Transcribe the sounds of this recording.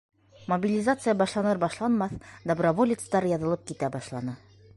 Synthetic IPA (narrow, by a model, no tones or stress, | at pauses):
mobʲilʲɪzat̪sɨjəbɒʃlˠɑnɤɾbɒʃlˠɑnmɑθd̪obrovolʲɪt̪st̪ɑɾjɒðɤ̆lˠɤp̚kit̪æbɒʃlˠɑnɤ